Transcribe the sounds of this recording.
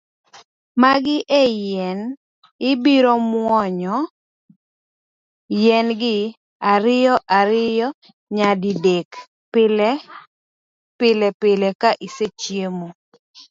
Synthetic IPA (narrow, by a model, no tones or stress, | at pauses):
maɡɪʔejɛn | ɪbiɾɔmwɔɲɔ | jɛnɡɪ | aɾɪjɔʔaɾɪjɔ | ɲadidek | pɪlɛ | pɪlɛpɪlɛkaʔiset͡ʃjemo